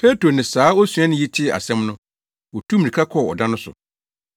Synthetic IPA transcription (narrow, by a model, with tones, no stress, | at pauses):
pʰɛ˦tɾo˨nɪ̃˨saː˨˦o˦su˨ã˦nɪ̃˦ji˦tʰɪ˦˨a̰˨sɛ̃˦mnʊ̃˦ | wɔ˨tʰu˦mĩ˨ĩ˨kʰa˦kʰɔ˦˨ɔ̰˨dã˦nʊ̃˦sʊ̰˨